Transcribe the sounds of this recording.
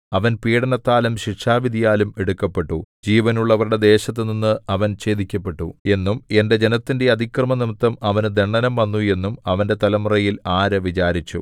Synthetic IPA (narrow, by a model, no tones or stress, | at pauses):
ɐʋɐnpiːɽɐnɐt̪ːaːlumɕiʂaːʋid̪ʱijaːlumeɽukːɐpːe̞ʈːud͡ʑiːʋɐnuɭːɐʋɐruɽe̞d̪e̞ːɕɐt̪ːɨninːɨɐʋɐnɕe̞ːd̪ikʲːɐpːe̞ʈːue̞nːume̞nde̞d͡ʑe̞nɐt̪ːinde̞ɐd̪ʱikrɐmɐnimɨt̪ːɐmɐʋɐnɨd̪eɳːɐnɐmʋɐnːue̞nːumɐʋɐnde̞t̪ɐlɐmurɐjilaːɾɐʋit͡ɕaːɾit͡ɕːṵ